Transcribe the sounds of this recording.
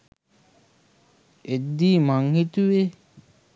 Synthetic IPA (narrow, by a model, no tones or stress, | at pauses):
ed̪ːiːmaŋhit̪uʋe